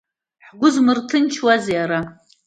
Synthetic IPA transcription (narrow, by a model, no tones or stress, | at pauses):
ħɡʷʊzmɨrtʰɨnt͡ʃʰwazaɾa